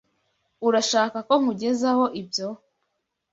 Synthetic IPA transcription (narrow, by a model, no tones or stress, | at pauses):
uɾaʃaːkako̞ŋ̥uɟe̞zaho̞ʔibjo̞